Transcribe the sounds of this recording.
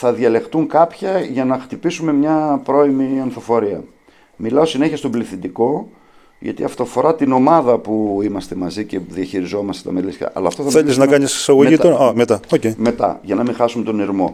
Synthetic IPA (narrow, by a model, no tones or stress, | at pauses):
θɐðʝɐle̞xt̪uŋkɐpçɐʝɐnɐxt̪ipisume̞mɲɐpɾo̞imiɐnθo̞fo̞ɾiɐ̰ | milɐo̞sine̞çiɐst̪o̞bliθind̪iko̞ | ʝɐ̰t̪ḭɐ̰ft̪ofo̞ɾɐt̪ino̞mɐðɐpuimɐst̪e̞mɐzice̞ðiɐçiɾizo̞mɐst̪et̪ɐmelisçɐ̰ʔɐ̰lɐːft̪oθɐmθeliznɐkkɐɲisi̥sɐɣoʝit̪oomet̪ɐoceime̞t̪ɐ̰ʝɐnɐmixɐsumet̪oniɾmo̞̰